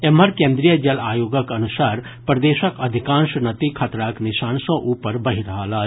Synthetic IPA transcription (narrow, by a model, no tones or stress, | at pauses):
emɐɾkẽːnd̪ɾijəd͡ʒɐlaːjoːɡəkɐnʊsaːɾ | pɾɐd̪eːʃəkɐd̪ʱɪkãːnʃnɐt̪ikʰɐt̪ɾaːknɪʃaːnsõʔuːpəɾbɐɦiɾɐɦaːla